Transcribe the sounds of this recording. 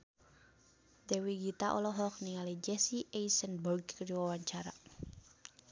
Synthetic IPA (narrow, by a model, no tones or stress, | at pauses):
d̪̥ewiɡit̪aʔɔ̰lɔɦɔk̚niŋalid͡ʒɛsiʔeisɛnbərɡkərd͡ʒiwawaɲt͡ʃaɾa̰